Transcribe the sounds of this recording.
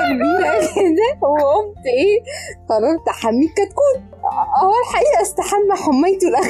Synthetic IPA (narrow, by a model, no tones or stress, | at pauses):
kbiːɾæed̪æhowːæʔomt̪ʔeːqɑrˤːɑɾˤt̪aħamːiːkːæt̪kuːn | ʔæælħaʔiːʔæʔst̪aħamːæħamːejt̪elʔæx